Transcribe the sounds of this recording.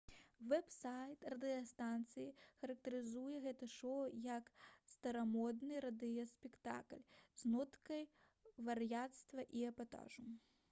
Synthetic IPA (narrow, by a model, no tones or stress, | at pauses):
vɛpsajt̪rɐd̪ɨjɐst̪ant̪sɨjixɐɾɐk̚t̪ɐɾɨzujɛɣɛt̪ɨʂɔwjɐkst̪ɐɾamɔd̪nɨɾɐd̪ɨjɐspʲɛkt̪a̰klʲznɔt̪kɐj | vɐrjat̪st̪vɐʔiɐbat̪a̰ʐu